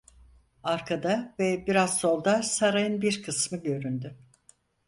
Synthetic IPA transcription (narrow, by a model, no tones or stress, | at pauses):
aɾkʰad̪avɛbiɾazso̞lˠd̪asaɾajɯnbiɾkʰɯsmɯɟø̞ɾynd̪y